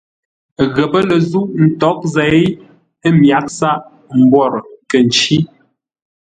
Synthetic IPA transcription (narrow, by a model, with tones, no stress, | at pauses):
ɣə˨pə˦lə˨zu˦ʔn̩˨tɔ˨˦k̚zɛ˨˦ | ə˦mja˨˦k̚sa˦ʔ | m̩˨bwɔ˦˨ɾkə˨n̩˨t͡ʃi˦